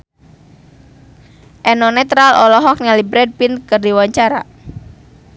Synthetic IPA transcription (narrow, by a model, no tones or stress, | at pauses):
ʔɛnɔnɛt̪ɾalʔɔlɔɦɔk̚nalibɾɛd̚pinkərdiwaɲt͡ʃaɾa̰